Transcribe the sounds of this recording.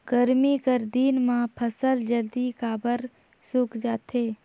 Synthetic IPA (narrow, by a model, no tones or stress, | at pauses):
ɡ̥əɾmikəɾd̪iːnmãpʰəsəld͡ʒəld̪ikaːbəɾ | sukʰd͡ʒaːt̪ʰeː